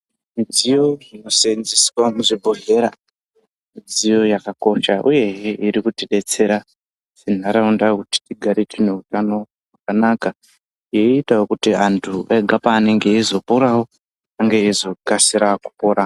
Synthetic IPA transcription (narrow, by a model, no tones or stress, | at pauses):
mid͡zijo̞ʐino̞senziswamuʐibʱoɦe̞ɾa | mid͡zijo̞jakako̞ʃaʔuje̞ɦeiɾikutiɗe̞t͡se̞ɾa | sen̤aɾaundakuti̥tiɡʱaɾitine̞utano̞ | wwakanaka | jeitawokutiantʰueɡʱapaːne̞ŋɡe̞izo̞poɾawo̞ | aŋɡeizo̞kasiɾaku̥poɾa